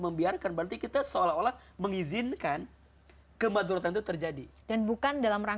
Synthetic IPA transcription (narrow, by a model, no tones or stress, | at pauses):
məmbiarkanbəɾant̪ikit̪asəolaɦolah | məŋizinkan | kəmad̪uɾat̪̬ant̪ut̪ərd͡ʒadid̥anbukandalamra